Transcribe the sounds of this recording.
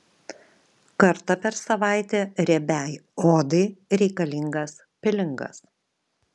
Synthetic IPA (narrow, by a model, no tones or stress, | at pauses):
kɐɾt̪ɐpʲɛɾsɐʋɑˑɪt̪ʲeːɾʲɛbʲæːjoːd̪ɐɪɾʲɛɪkɐlʲɪŋɡɐs | pʲɪlʲɪŋɡɐ̰s